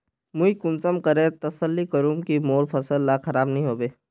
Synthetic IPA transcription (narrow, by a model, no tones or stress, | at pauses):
muikʊ̃nsəmkəɾẽt̪ɐsəlːikəɾũːmkimoːɾpʰɐsəlːakʰɐɾaːbnɐɦĩɦoːbeː